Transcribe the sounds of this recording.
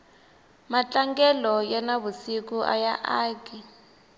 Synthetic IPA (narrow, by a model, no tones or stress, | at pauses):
mat͡ɬʼaŋɡɛlɔjɛnaβusikuʔa̰jaʔaːki